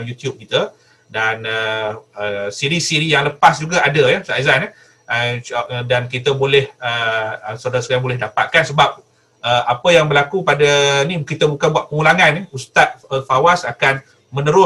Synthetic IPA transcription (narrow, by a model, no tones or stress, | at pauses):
mjut̪jub̚kit̪ə | danəəsiɾisiɾijaŋləpasd͡ʒuɡaadəjɛsazanə | ədankit̪əbolɛhəəsəodaɾaskaɾaŋbolɛɦdapa̰t̪̚kansəbap̚ | ʔəapəjaŋbəlakupadənikit̪əbukanbuaʔ̪̚pəŋulaŋanɛust̪at̪̚əfawasakan | mə̃nəɾʊ